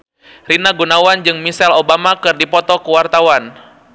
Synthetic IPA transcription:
rinaɡunawand͡ʒɨŋmisɛlobamakɨrdipɔt̪ɔkuwart̪awan

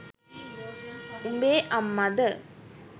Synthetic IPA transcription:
umbeːʔɐmːad̪ə

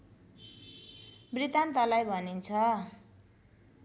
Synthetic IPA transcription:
brit̪ant̪ʌlajbʱʌnint͡sʰʌ

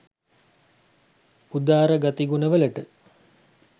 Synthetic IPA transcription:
ud̪aːɾəɡat̪iɡunəʋələʈə

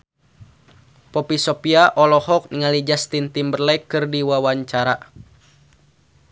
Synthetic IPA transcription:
pɔpisɔpiaʔɔlɔhɔk̚niŋalid͡ʒast̪int̪imbərlɛjkɨrdiwawaɲt͡ʃaɾa

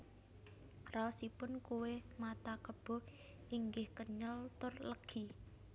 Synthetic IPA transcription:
rɔsipʊnkuwemat̪akəb̥ɔ̤ | ʔiŋɡɪhkəɲəlt̪ʊrləɡ̥ʰi

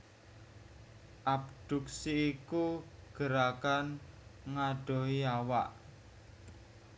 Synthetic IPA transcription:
ʔabd̥ṳksiːkuɡ̥ə̤ɾakanŋaɖ̥ɔ̤ɦiawaʔ

